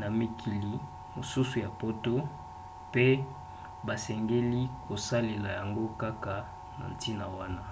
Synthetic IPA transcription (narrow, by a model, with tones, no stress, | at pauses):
na˨mi˨kʰi˨li˨ | mo˨su˦su˨ja˨po˦to˦ | pe˦ | ba˨sɛ˨ŋɡe˦li˦ko˨sa˦le˨la˨ja˨ŋɡo˦ka˦ka˨ | na̰˨n˨ti˦na˨wa˦na˦